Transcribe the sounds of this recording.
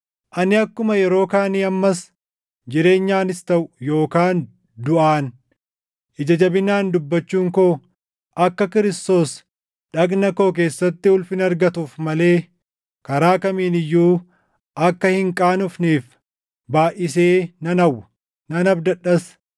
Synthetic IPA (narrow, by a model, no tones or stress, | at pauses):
ʔɐnɪɐkːʊmɐjɛɾo̞ːkaːniːɐmːɐs | d͡ʒɪɾe̞ːɲːaːnɪst̪ɐʔʊjo̞ːkaːn | d̪ʊʔaːn | ʔɪd͡ʒɐd͡ʒɐbɪnːaːnd̪ʊbːɐt͡ʃːuːŋkoː | ʔɐkːɐkɪɾɪst̪o̞ːs | ᶑɐɡnɐko̞ːk̬e̞ːsːɐt̪ːɪʊlfɪnɐɾɡɐt̪uːfmɐle̞ː | kɐɾaːkɐmiːnɪjːuː | ʔɐkːɐhɪŋkʼaːnʊfniːf | baːʔɪse̞ːnɐnɐwːɐ | nɐnɐbd̪ɐɗːɐs